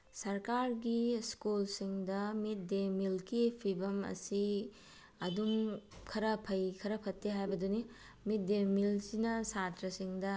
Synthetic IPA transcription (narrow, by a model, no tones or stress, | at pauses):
sɐɾkaɾɡiskulsiŋdɐmit̚demilkipʰibɐmɐ̰si | ɐdumkʰɐɾɐpʰɐjkʰɐɾɐpʰɐtːeɦajbɐduni | mit̚demilsinɐsatɾɐsiŋdɐ